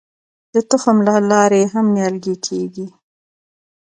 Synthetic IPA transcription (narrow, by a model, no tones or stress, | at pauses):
d̪̥ət̪ʊxamlalɑɾeɦamːjɑlɡekʰeɡi